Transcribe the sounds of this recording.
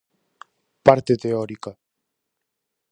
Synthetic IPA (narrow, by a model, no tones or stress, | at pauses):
paɾt̪et̪eoɾika